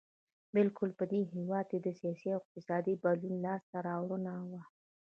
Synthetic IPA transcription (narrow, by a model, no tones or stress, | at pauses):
bɪlkʊlpəd̪eɦewɑd̪̚ked̪əsijɑsiawɪq̚t̪ɪsɑd̪ibalunlɑst̪aɾɑwɽənawa